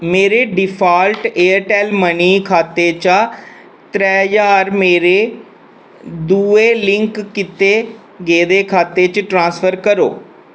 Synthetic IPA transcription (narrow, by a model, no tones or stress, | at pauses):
meːɾeːɖɪpʰaːlʈeːəɾʈɛːlməniːkʰaːt̪eːt͡ʃa | t̪ɾɛːjaːɾmeːɾeː | d̪uːeːlɪ̃ŋkːɪt̪eː | ɡeːd̪eːkʰaːt̪eːt͡ʃʈɾãːsfʰəɾkəɾo̰ː